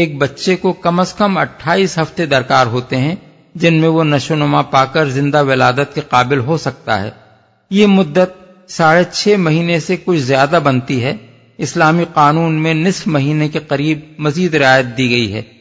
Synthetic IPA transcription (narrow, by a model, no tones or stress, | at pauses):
eːk̚bɐtːʃekokɐməskəmɐʈʰːaːiːsɦɐft̪ed̪ɐɾkaːɾɦoːt̪eɦɛ̃ | d͡ʒɪnmẽʋonɐʃonɐmapaːkəɾzɪ̃nd̪aʋɪlaːd̪ət̪̚keqaːbɪlɦosɐk̚t̪a̰ɦɛ̰ː | jemʊd̪ːət̪̚ | saːɾet͡ʃʰɛːmɐɦiːnesekʊt͡ʃʰzjaːd̪abɐnt̪iɦɛ | ɪslaːmiqaːnuːnmẽnɪsfmɐɦiːnekeqɐɾiːb̚mɐziːd̪ɾɪaːjət̪̚d̪iɡɐiɦɛ̰ː